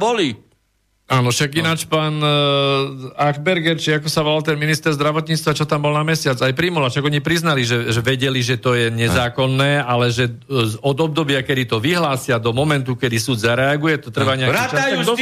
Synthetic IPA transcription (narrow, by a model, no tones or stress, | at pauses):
bɔli | aːnɔʃaɡinaːt͡ʃpaːn | aɡbɛɾɡɛɾt͡ʃiakɔsaʋɔlalt̪ɛnminist̪ɛɾzd̪ɾaʋɔt̪ɲit͡st̪ʋat͡ʃɔt̪ambɔlnamɛsɪat͡sajpɾimɔlaʃaɡɔɲipɾiznaliʒɛʒɛʋɛɟɛliʒɛt̪ɔjɛɲɛzaːkɔnːɛːalɛʒɛzɔd̪ɔb̚d̪ɔbɪakɛd̪it̪ɔʋiɦlaːsɪad̪ɔmɔmɛnt̪ukɛd̪isuːd̪zaɾɛaɡujɛt̪ɔt̪r̩ʋaɲɛaɾaaaju